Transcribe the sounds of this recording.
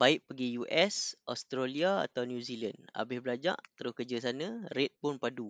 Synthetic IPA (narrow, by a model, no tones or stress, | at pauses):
b̥aɪʔ̚pəɡijuʔɛsʔɔst̪ɾaliaa̰t̪awnjũzilana̰bɪhbəlad͡ʒa̰ʔt̪əɾʊhkəd͡ʒəsanə̃ɾɛt̪̚pʊnpadu